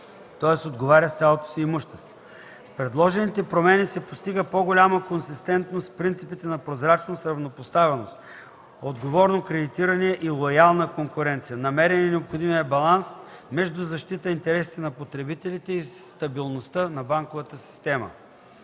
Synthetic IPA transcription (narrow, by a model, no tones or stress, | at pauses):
t̪ɔɛsod̪ɡovaɾʲəst̪sʲalˠot̪o̥siːmuʃt̪ɛ̥st̪vo | spɾɛd̪lˠɔʒɛnit̪ɛpɾomɛnisɛpost̪iɡəpoɡolʲaməkonsist̪ɛnt̪nost̪pɾint̪sipit̪ɛnɐpɾozɾat͡ʃnosɾɐvnopost̪avɛnost̪ | od̪ɡovɔɾnokɾɛd̪it̪iɾɐnɛɛʔilˠojalˠnəkoŋkʊɾɛnt̪sijənɐmɛɾɛnɛnɛopxod̪imijəbɐlˠansmɛʒd̪uzɐʃt̪it̪əint̪ɛɾɛsi̥t̪ɛnɐpot̪ɾɛbit̪ɛlit̪ɛist̪ɐbilˠnost̪ənɐbaŋkovət̪əsi̥st̪ɛmə̰